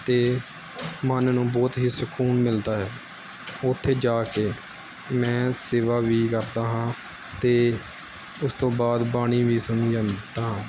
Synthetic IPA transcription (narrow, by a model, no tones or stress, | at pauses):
t̪eː | mənnũːbɔːt̪ɦiːsəkʰuːnmɪld̪aːɦɛː | ʊt̪ʰːeːd͡ʒaːkeː | mɛ̃ːseːʋaːʋiːkəɾd̪aːɦãː | t̪eː | ʊst̪õːbaːd̪baːɽ̃iːʋiːsʊniːand̪aːɦãː